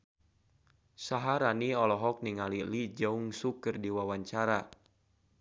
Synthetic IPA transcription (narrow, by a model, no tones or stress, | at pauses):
saɦaɾaniɔlɔɦɔk̚niŋalilid͡ʒauŋsukɨrdiwawaɲt͡ʃaɾa